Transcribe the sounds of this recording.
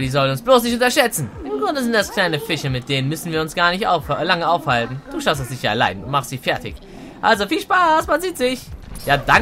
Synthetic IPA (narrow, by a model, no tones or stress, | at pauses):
diːzɔlənʊnsb̥loːsnɪçtʊntɐʃɛt͡sn̩ʔɪmɡʁʊndəzɪntd̥askʰl̥aɪnəfɪʃɐmɪt̚d̥eːnənmʏsn̩viːɐʊnsɡ̥aːɐnɪçtʔa̰ʊflaŋəaʊfhaltn̩d̥uːʃaʊstɛsz̥ɪçɐɛ̰ɐla̰ɪdn̩ʊntmaχstz̥iːfɛɐtɪ̰ç | ʔa̰lzofiːlʃpaːsmanziːtz̥ɪçjaːda